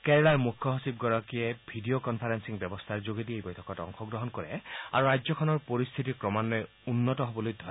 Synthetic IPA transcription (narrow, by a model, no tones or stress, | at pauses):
kɛɹlaɹmukʰːɔɦosib̚ɡɔɹɔkijɛbʱidiokɔnpʰaɹɛnsiŋbɛbɔstʰaɹzoɡediejbɔjtʰɔ̥kɔtɔ̰ŋxɔɡɹɔɦɔnkɔɹɛ̰a̰ɹuɹajzɔkʰɔnɔɹpoɹist̪ʰitiɹkɹɔmanlɔj | unːɔtɔɦobɔlojd̪ʱɔ